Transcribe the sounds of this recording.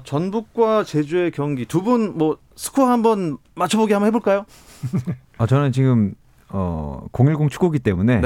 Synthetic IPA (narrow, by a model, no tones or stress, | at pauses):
t͡ɕʌnbuk̚k͈wat͡ɕe̞d͡ʑue̞kjʌŋɡitubunmwʌ | sʰɯ̥kʰoɦambʌn | mat͡ɕʰʌboɡiɦambʌnɦeboɭk͈ajo | at͡ɕʌnɯnt͡ɕiɡɯm | ʌ̰koŋiɭɡoŋt͡ɕʰu̥ɡoɡit͈e̞mune̞